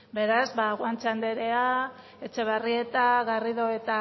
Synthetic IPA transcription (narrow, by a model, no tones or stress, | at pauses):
be̞ɾazβaɣwant͡ʃand̪e̞ɾe̞a | et͡ʃe̞β̞arie̞t̪aɣariðo̞et̪a